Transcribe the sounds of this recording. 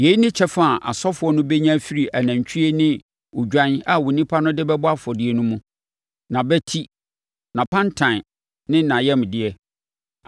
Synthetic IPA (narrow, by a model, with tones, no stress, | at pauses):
je˨˦i˦nɪ̃˦t͡ɕʰɛ˦fa˦˨ʔa̰˨sɔ˦fʊ˨˦ɔ˦nʊ̃˦bɛ˦ɲã˦fi˦ɾi˨ʔæ˨nã˨ɲ˨t͡ɕʰi˦e˦nɪ̃˦ | ʊ˨d͡ʑᶣã˦na˨wʊ˨nĩ˦pʰa˦nʊ̃˦dɪ˦bɛ˦bʊ˦a˦fɔ˨dɪ˦ɛ˦nũ˦mũ˦ | nã˨bɛ˦tʰi˦ | nã˨pʰã˦ntʰã˨n˨ | nɪ̃˦nã˨jɛ˦mdɪ˦ɛ˦